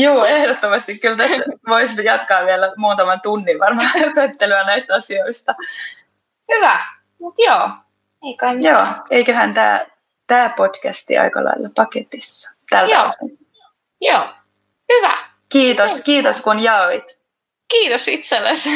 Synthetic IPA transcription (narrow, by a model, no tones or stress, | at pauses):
juːehdot̪ːomɑst̪ikkylt̪æsʋoisjɑt̪kɑːʋielæmuːt̪ɑmɑnt̪unːiʋʋɑrmɑːt̪køt̪ːelyɑnæist̪ɑsioist̪ɑ | hyʋæ | mut̪joː | ekjoːeikøhænt̪æ̰ː | t̪æːpo̞d̥kæst̪ḭʔɑ̰ikɑ̰lɑ̰ilːɑpɑket̪isːɑ̥t̪ælæɑ̰sun | joː | hyʋæ̰ | kiːt̪oskiːt̪oskunjɑːʋit̪ | kiːt̪osit̪selːes